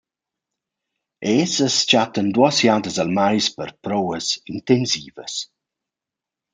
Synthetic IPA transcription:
ʔeːsəst͡ʃatəndwɔsjadəzəlmajspərpɾɔwəzintɛnsiːvə̰s

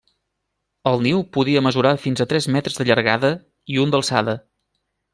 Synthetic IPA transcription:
əlˠniwpuðiəməzuɾafinzət̪ɾɛzmɛt̪ɾəzðəʎəɾɣa̰ðə | iund̪əlˠsa̰ðə

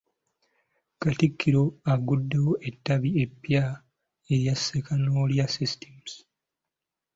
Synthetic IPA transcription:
katikʰːiɾo̞aɡudːe̞woʔe̞tːaβie̞pːja | e̞ɾjasːekʰanoljasisi̥temus

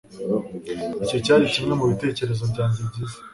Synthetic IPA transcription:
ico̞caːɾiʃimŋe̞muβite̞ːce̞ɾe̞zo̞βɟaːɲzibɟize̥

